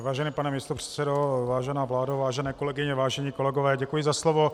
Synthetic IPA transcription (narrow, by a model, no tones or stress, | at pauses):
vaːʒɛniːpanɛmist̪opr̥ɛ̥t̪sɛdovaːʒɛnaːvlaːdavaːʒɛnɛːko̞lɛɡɪɲɛvaːʒɛɲiːkolɛɡovɛːɟɛkujɪzaslovo